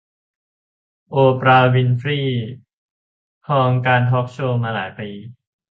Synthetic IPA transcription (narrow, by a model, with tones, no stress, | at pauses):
ʔoː˧pɾaː˧wi˧nfɾiː˥˩ | hʰɔː˧ŋkaː˧nt̪ʰɔː˦˥˩k̚t͡ɕʰoː˥˧˩maː˧la̰ː˩˦jpiː˧